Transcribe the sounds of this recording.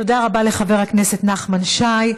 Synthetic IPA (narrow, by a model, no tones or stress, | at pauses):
odaʁabale̞χave̞ʁhakne̞se̞tnaχmanʃaj